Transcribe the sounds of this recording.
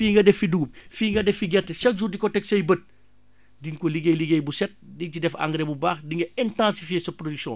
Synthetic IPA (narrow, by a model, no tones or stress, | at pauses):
fiːŋɡɐdɛfːiduːmfiːŋɡɐdɛfːiɡɛtːɛʃɐk̚d͡ʒudikɔtɛksɐjbət̚ | diŋkɔliɡejliɡejbusɛt̚dicidɛfa̰ŋɡɾebubaːxdiŋɡɐɛntãnsifjeːsɐpɾodyksɔ̰̃